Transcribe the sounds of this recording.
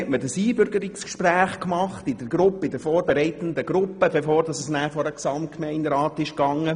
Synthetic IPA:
ɛtmədəsiːbʏɾɡəɾɪkskʃpræːχkmɑχtɪd̥əɾɡ̥ɾʊpːəɪdəɾfoːɾbɛɾɛɪtən̩dəɡ̥ɾʊpːəbɛfoːrdɑsəsnæːfɔɾəksɑmt̚kmɛɪndɾɑːtɪʃkɑŋːə

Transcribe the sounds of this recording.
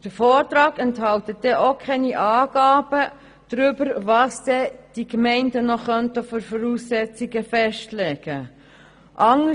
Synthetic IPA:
d̥əɾfɔːrt̪ɾɑːɡɛnthɑlt̪ədɛʔokʰɛniʔɑːɡ̥ɑːb̥ə | d̥ɾʏbəɾvɑsd̥̪ɛd̥iɡmɛɪndənɔχœntəføɾfɔɾuːsːɛt͡siɡəfɛʃtlɛːɡ̥ə | ʔɑŋə

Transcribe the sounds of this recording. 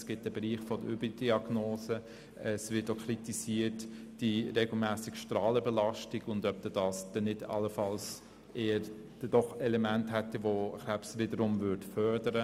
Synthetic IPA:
sɡ̥ɪt̚d̥ɛbəɾiːχfɔdəybdiɑɡnoːsə | ɛsvɪtokʰritisiətd̥iɾeɡl̩mæːsɪkʃtrɑːləbɛlɑʃtiɡ̥ʊndœp̚d̥̪ɛd̥ɑːsd̥ɛnɪdɑ̰ləfɑls | eːəɾ | d̥ɛd̥ɔχɛlɛmænthætːiʋoχapsʋɪdəɾʊmvʏɾtfœrdəɾə

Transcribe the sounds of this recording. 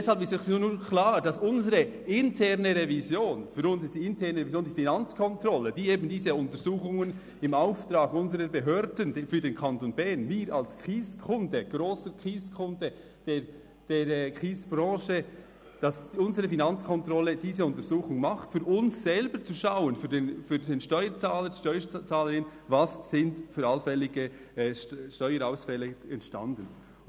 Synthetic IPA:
ɛshalpɪstɔuːnuːkʰlaːɾd̥ɑsʊnzəɾəʔɪntʰɛʁnəʁevizjoːnfyːɾʊnsɪstd̥iːɪntʰɛʁnəʁevizjoːndiːfinɑnt͡skʰɔntrɔləd̥iːeːbn̩diːzəʊntəɾz̥uːχʊŋən | ɪmaʊftɾɑːɡʊnzəʁəɾbəɦøːɾdəndfyːdeːnkʰɑntonbɛɐnmiːɾɑ̰lskʁ̥iːskʰʊndəɡ̥ɾoːsəkʁ̥iːskʰʊndə | d̥eː | d̥eːɾkʁiːsb̥ɾɑ̃ːʃə | d̥ɑsʊnzəɾəfinɑnt͡skʰɔntɾɔlːədiːzəʊntəɾzuːχʊŋmɑχtfyːɾʔʊnsːɛlbəɾt͡suʃawənfyːdeːnfyːdeːnʃtɔʏəɾt͡sɑːləɾdiʃtɔʏət͡sɑːləɾɪnvɑssɪntfyːɾɑlfɛlːɪɡə | ʃtœʏəɾaʊsfɛləɛntʃtɑ̰ndən

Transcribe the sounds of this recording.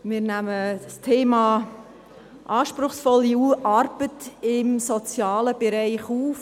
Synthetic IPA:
mɪɾnæməstʰeːmɑː | ʔɑːʃpɾʊχsfɔlːiuʔɑɾb̥ətɪmsɔt͡sjɑːləb̥ɛɾæɪχuːf

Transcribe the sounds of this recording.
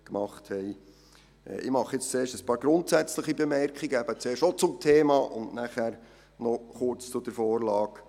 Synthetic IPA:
kmɑχthɛɪ̰ | ʔɪmɑχɪt͡st͡seːʃtəspɑːɾɡ̥ɾʊntsɛt͡sləχibemɛɾkʰχiɡəæb̥ət͡seːʃtot͡sʊmtʰeːmɑːʔʊ̰ndnæχæɾ | nɔχʊɾt͡st͡sʊd̥əɾfoːɾlɑːk

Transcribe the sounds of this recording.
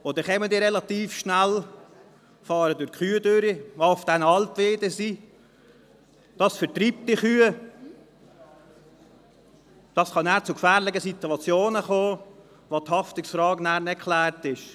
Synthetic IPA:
odəχɛmədiːɾɛlɑt̪iːfʃnæl | fɑːɾədʊɾkχyːədøɾiaʊfd̥ɛnɑltʋeːdəsi | d̥ɑsfəɾtɾiːp̚t̪iχyːə | d̥ɑsχɑnæːɾt͡sʊkfæːɾlɪɡəsit̪uɑt͡sjoːnəχoː | ʋothɑftɪksfɾɑːɡnæːɾnɛkʰlæːɾtɪʃ

